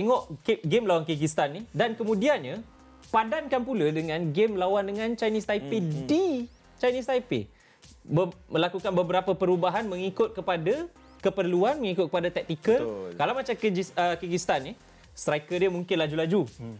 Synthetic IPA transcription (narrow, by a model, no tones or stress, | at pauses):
t̪ɛŋɔʔɡemlawankiɡist̪anːidankəmũdianɲa | padankanpuladəŋãnɡemlawandəŋãnt͡ʃajnist̪ajpedi | t͡ʃajnisajpḛ | bəmə̃lakukanbəbəɾapəpəɾubaɦanmə̃ŋikʊt̪̚kəpada | kəpərluanmə̃ŋikʊt̪̚kəpadat̪ɛk̚t̪ikəlkalawmat͡ʃakiɡiəkiɡist̪anːi | st̪ɾajkədəmũŋkɪnlad͡ʒulad͡ʒu